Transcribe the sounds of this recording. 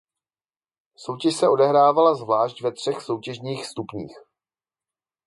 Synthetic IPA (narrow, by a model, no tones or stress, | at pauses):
so̞wcɛʃsɛʔo̞dɛɦɾaːvalazvlaːʃcvɛt̪r̝̥ɛxso̞wcɛʒɲiːxst̪upɲḭːx